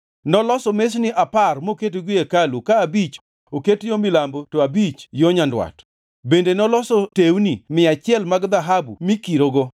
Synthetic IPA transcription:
nɔlɔsɔmesnɪʔaparmoketɡiekalukaːbit͡ʃ | oketjomɪlambotoabit͡ʃjoɲandwa̰t | bendenɔlɔsɔtewnimɪat͡ʃɪɛlmaɡd̪aɦabṵmikiɾoɡo

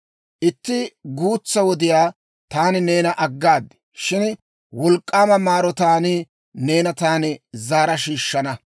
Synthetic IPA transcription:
ʔɪt̪ːɪɡuːt͡sːɐwɔd̪ɪjaː | t̪aːnɪne̞ːnɐʔɐɡːaːd̪ɪ̥ | ʃɪn | wɔlkʼːaːmɐmaːɾɔt̪aːnɪ | ne̞ːnɐt̪aːnɪzaːɾɐʃiːʃːɐnɐ

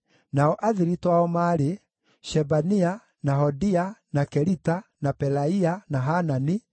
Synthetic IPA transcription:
naɔʔaðiɾitwaɔmaːɾe | ʃɛbania | naɦɔdianakɛɾitanapɛlaianaɦanani

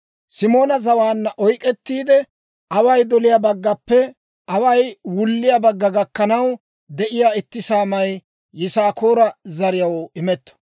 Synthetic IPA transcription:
sɪmo̞ːnɐzɐwaːnːɐʔɔjkʼɛt̪ːiːd̪ɛ | ʔɐwɐjd̪ɔlɪjabɐɡːɐpːɛ | ʔɐwɐjwʊlːɪjabɐɡːɐɡɐkːɐnɐw | d̪ɛʔɪjaːɪt̪ːɪsaːmɐj | jɪsaːkoːɾɐzɐɾɪjɐwɪmɛt̪ːɐ̥

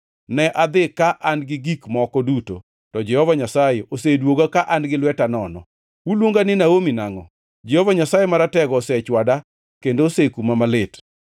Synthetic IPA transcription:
nɛʔad̪ɪkaʔanɡɪɡikmɔkɔduto̰ | tɔd͡ʒɛhɔvaɲasajeosedwoɡakaʔanɡɪlwɛtanɔnɔ̰ | wulwoŋɡanɪnaomina̰ŋɔ̰ | d͡ʒɛhɔvaɲasajemaɾatɛɡɔsɛt͡ʃwada | kendoːsekumamalɪt

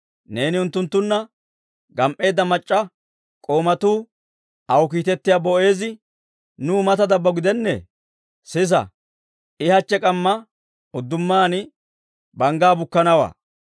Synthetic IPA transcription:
ne̞ːnɪʊnt̪ːʊnt̪ːʊnːɐ | ɡɐmʔe̞ːd̪ːɐmɐt͡ʃʼːɐ | kʼo̞ːmɐt̪uː | ɐwk̬iːt̪ɛt̪ːɪjabɔʔe̞ːzɪ | nuːmɐt̪ɐd̪ɐbːɐɡɪd̪ɛnːɛ̰ | sɪs̬ɐ̰ | ɪhɐt͡ʃːɛkʼɐmːɐ | ʊd̪ːʊmːaːnɪ | bɐŋɡaːbʊkːɐnɐwa̰ː

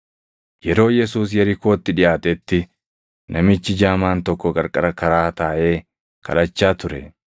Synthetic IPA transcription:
jɛɾo̞ːjɛsuːs̬jɐɾɪko̞ːt̪ːɪᶑɪʔaːt̪ɛt̪ːɪ | nʔɐmɪt͡ʃːɪd͡ʒaːmaːnt̪ɔkːɔkʼɐɾkʼɐɾɐkɐɾaːt̪aːʔe̞ː | kʰɐ̰lɐt͡ʃːaːt̪ʊɾɛ̰

